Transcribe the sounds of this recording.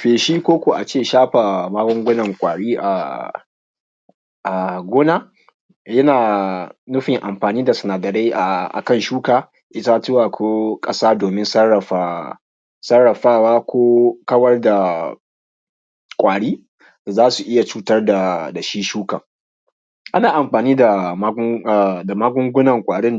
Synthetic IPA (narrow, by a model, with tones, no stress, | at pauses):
ɸeː˨ʃiː˦kʷoː˦kʷo˨ʔa˨t͡ʃeː˦˨ʃaː˦ɸa˨maː˦ɡʷɔ˦ŋɡʷʊ˦nɐ˨ŋkʷʼaː˨ɽiː˦ʔa˨ | ʔa˨ɡʷoː˦na˦ | jɐ˦naː˨nʊ˦ɸɪ˨ŋʔa˨mɸaː˨niː˦da˨sɐ˨naː˨dɐ˨ɽe˦jʔa˨ʔa̰˨kɐ˦˨nʃuː˦kaː˨ | ʔɪ˦ta˦tʊ˦wa˨kʰʷoː˦kʼɐ˦saː˦doː˨mɪ˦nsɐ˦rːɐ˨ɸa˨ | sɐ˦rːɐ˨ɸaː˦waː˦kʷʰoː˦kɐ˦wɐ˦rda˨ | kʷʼaː˨ɽiː˦ | d̥a˨zaː˦su˨ʔɪ˦ja˨t͡ʃuː˦tɐ˦rda˨da˨ʃi˦ʃuː˦kɐ˨ŋ | ʔa˦naː˨ʔa˨mɸaː˨niː˦da˨˦ | a˨da˨maː˦ɡʷʊ˦ŋɡʷʊ˦nɐ˨ŋkʷʼaː˨ɽɪ˦n